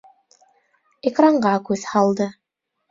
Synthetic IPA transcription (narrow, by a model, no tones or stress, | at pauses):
ekraɴɢɑkʉðhɑlˠd̪ɤ